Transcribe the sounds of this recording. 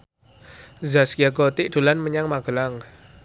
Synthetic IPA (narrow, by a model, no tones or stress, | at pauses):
zaskiaɡɔt̪ɪʔd̪̥ṳlanməɲaŋmaɡ̥əlaŋ